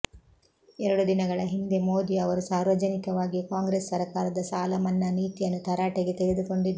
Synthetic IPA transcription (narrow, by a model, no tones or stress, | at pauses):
ɛɾɐɽud̪inɐɡɐɭɐɦind̪emoːd̪iɐʋɐɾusaːɾʋɐd͡ʒɐnikɐʋaːɡikaːŋɡɾeːsːɐɾɐkaːɾɐd̪ɐsaːlɐmɐnːɐniːt̪ijɐnːut̪ɐɾaːʈeɡet̪eɾed̪uko̞ɳɖid̪ːɐ